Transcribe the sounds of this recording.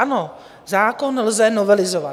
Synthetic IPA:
ano | zaːkonːɛlzɛnovɛlɪzova

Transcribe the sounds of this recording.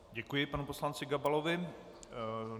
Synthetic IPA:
ɟɛkujɪpanupo̞slant͡sɪɡabalovɪ

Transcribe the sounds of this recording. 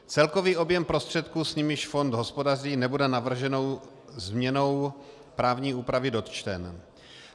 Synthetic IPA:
t͡sɛlko̞viːʔo̞bjɛmpɾo̞st̪r̝̥ɛt̪̚kuːsɲɪmɪʃfo̞nd̪ɦo̞spo̞dariːnɛbudɛnavr̩ʒɛno̞w | zmɲɛno̞w | pɾaːvɲiːuːpɾavɪdo̞t̪t͡ʃt̪ɛn

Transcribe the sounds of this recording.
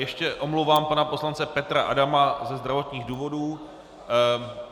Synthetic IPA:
jɛʃcɛʔo̞mluwvaːmpanapo̞slant͡sɛpɛt̪ɾaʔadamazɛzd̪ɾavot̪ɲiːɣduːvo̞duː

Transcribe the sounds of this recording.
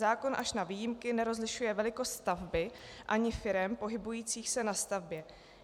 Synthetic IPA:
aːko̞nʔa̰ʃnaviːjɪmkɪnɛɾo̞zlɪʃujɛvɛlɪko̞st̪st̪avbɪʔaɲɪfɪɾɛmpo̞ɦɪbujiːt͡siːxsɛnast̪avbjɛ

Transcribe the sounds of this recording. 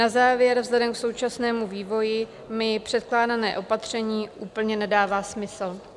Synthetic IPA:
nazaːvjɛɾvzlɛdɛmkso̞wt͡ʃasnɛːmuviːvo̞jɪ | mɪpr̝̥ɛt̪̚klaːdanɛ̰ːʔo̞pat̪r̝̥ɛɲiːʔuːpl̩ɲɛnɛdaːvaːsmɪsl̩

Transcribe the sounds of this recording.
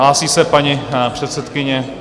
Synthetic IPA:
laːsiːsɛpaɲipr̝̥ɛt̪sɛt̪kɪɲɛ

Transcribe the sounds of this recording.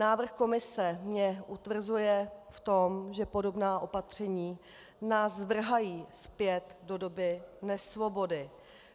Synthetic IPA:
naːvr̩xko̞mɪsɛmɲɛʔut̪vr̩zujɛft̪o̞mʒɛpo̞do̞bnaːʔo̞pat̪r̝̥ɛɲiː | naːsvr̩ɦajiːspjɛt̪do̞do̞bɪnɛsvo̞bo̞dɪ

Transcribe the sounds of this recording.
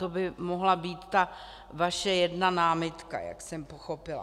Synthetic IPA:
t̪obɪmoɦlabiːt̪ːa | vaʃɛjɛdnanaːmɪt̪ka̰ja̰ksɛmpoxopɪla̰

